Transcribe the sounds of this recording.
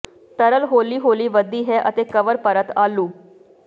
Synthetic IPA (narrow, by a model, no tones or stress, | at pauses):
t̪əɾəlɦoːliːɦoːliːʋəd̪iːɦɛːʔət̪eːkəʋəɾpəɾət̪aːluː